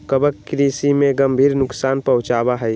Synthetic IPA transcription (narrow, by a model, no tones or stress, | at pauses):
kəbəkːɾiːsimẽɡəmbʱiːɾnʊksaːnpəɦʊ̃t͡ʃaːbaɦɛj